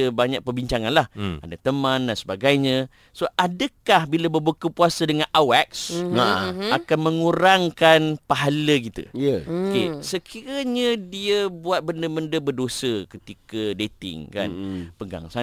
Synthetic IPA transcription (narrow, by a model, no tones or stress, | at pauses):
əbaɲak̚pərbiɲt͡ʃaŋanlaha̰dat̪əmãndansəbaɡajɲə̃ | soʔadəkahbilabəbukəpuasadəŋãnʔawɛk̚saakanmə̃ŋuɾaŋkanpaɦalək̬it̪ə̰əokesəkʰiɾaɲədiəbuat̪̚bəndəbəndəbərdosəkət̪ikədet̪ɪ̰ŋka̰npəɡa̰ŋsa